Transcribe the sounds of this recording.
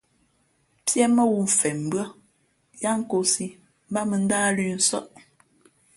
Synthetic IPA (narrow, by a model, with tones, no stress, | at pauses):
pjɛ˦mə˦wu˦˨ɱ̩˨fɛ˨m̩˨bɰə˦ | ja˦ŋ̩˦ko˨˦si˦ | m̩˦ba˦mə˨n̩˦daː˦lʉ˦n̩˦sɔ̰˦ʔ